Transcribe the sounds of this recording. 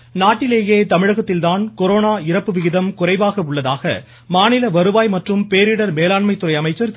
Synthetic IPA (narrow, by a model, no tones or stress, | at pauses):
naːʈːɪleːjeːt̪ɐmɪɻɐɣɐt̪ːɪlt̪aːnkɔɾoːnaːɪɾɐpːɯʋɪɣɪðɐmkʊrɐɪʋaːɣɐʊɭːɐðaːɣɐ̰ | maːnɪlɐʋɐɾɯʋaːjmɐʈrɯmpeːɾɪɽɐɾmeːlaːɳmɐɪt̪ːɯrɐɪɐmɐɪt͡ʃːɐɾ